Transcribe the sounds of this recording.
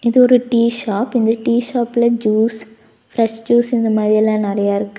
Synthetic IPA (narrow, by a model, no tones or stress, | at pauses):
ɪðɯɔɾɯʈiːʃaːpɪnd̪ɐʈiːʃaːpːɪlɐd͡ʒuːs | fɾɛʂd͡ʒuːsɪnd̪ɐmaːðɾiɛlãːnɪɾɐjaːɪɾɯkːɯ̥